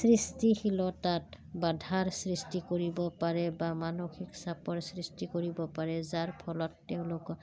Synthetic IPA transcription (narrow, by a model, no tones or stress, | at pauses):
sɹistihilɔtat | badʱaɹsɹistikoɹibɔpaɹɛbamanoxiksapɔɹsɹistikoɹibɔpaɹɛzaɹpʰɔlɔtːeʊ̃lokɔ